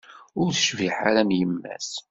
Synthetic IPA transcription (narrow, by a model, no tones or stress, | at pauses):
ʊɾθə̥ʃviħa̰ɾæmjəmːæ̰s